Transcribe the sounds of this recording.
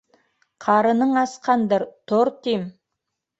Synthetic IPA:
qʰɑɾənəɴɑsqɑnd̪əɾt̪ʰoɾt̪em

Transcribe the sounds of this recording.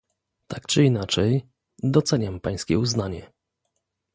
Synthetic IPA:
t̪ʰak̚t͡ʂɨinat͡ʂɛj | d̪ɔt̪sɛɲampaj̃skʲɛuznaɲɛ

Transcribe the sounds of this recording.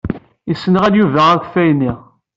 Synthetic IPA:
isənəʁæljuvæʁækʷfæjniʁ

